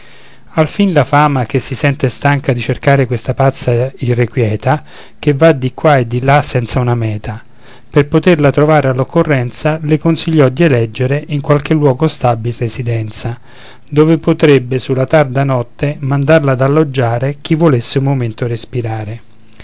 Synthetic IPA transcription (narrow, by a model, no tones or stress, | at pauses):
alfinlafaːmak̟esːisɛnt̪est̪aŋkad̪it͡ʃerkaːɾekwest̪apat̪sːairːekwjɛːt̪a | k̟evːad̪ikwaed̪ːilasɛnt̪saunamɛːt̪a | perpot̪erlat̪ɾovaːɾealːokːorːɛnt̪salekonsiʎːɔd̪ielɛd͡ʒːeɾeʔiŋkwalkelːwɔːɡost̪abilresid̪ɛnt̪sa | d̪oːvepot̪ɾebːesulːat̪ard̪anɔt̪ːemand̪arlad̪alːod͡ʒːaːɾek̟ivːolesːeumːoment̪orespiɾaːɾe